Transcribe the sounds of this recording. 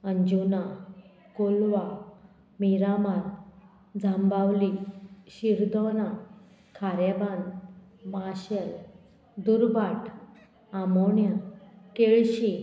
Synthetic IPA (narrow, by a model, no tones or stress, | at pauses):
əɲd͡ʑuna | kolʋa | miɾamaɾ | d͡zʱambaʋliɕiɾd̪ɔna | kʰaɾeban | maɕel | d̪uɾbaʈʰ | amɔɳjakeɭɕi